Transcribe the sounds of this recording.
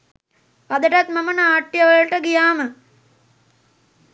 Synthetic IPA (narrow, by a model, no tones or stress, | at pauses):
pad̪əʈat̪mɐmənəaːʈjɐʋəɭʈəɡijaːmə